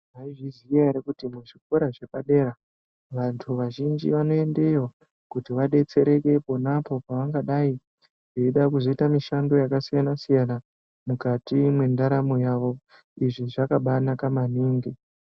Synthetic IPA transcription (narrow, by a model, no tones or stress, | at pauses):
aiʐizijaɾekutimuʐik̚oɾaʐe̞paɗe̞ːɾa | ʋantʰuʋaʒind͡ʒḭʋano̞e̞ndejo | kutiʋaɗe̞t͡se̞ɾe̞ke̞ponapo̞paʋaŋɡaɗai | ʐeiɗakuzoitamiʃando̞jakasijanasijana | mukatimwe̞ndaɾamojaʋo̞ | iʐiʐakaɓanakamaniːŋɡi